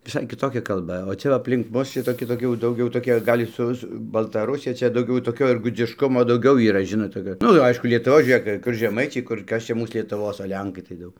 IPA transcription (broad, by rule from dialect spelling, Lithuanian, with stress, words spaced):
ʋʲɪˈsɐɪ kʲɪˈtoːkʲɛ kɐlˠˈbɐ oː ˈt͡ʃʲɛ ʋɐ ɐpʲlʲɪŋk ˈmʊs ˈʃʲɪtoːkʲɪ toːˈkʲɪ jɛʊ dɐʊˈɡʲɛʊ toːˈkʲɪ ˈɡɐlʲ ˈsʊ sʊ bɐlˠtɐˈrʊsʲɪjɛ ˈt͡ʃʲɛ dɐʊˈɡʲɛʊ toːˈkʲoː ɪr ɡʊd͡zʲɪʃˈkʊmoː dɐʊˈɡʲɛʊ iːˈrɐ ˈʒʲɪnoːt toːˈkʲoː ˈnʊ ˈɐɪʃkʊ lʲiɛtʊˈʋoːs ʒʲuːˈrʲeːk kʊr ʒʲɛˈmɐɪt͡ʃʲɛɪ kʊr ˈkɐs ˈt͡ʃʲɛ ˈmuːs lʲiɛtʊˈʋoːs oː ˈlʲɛŋkɐɪ tɐɪ ˈdɐʊk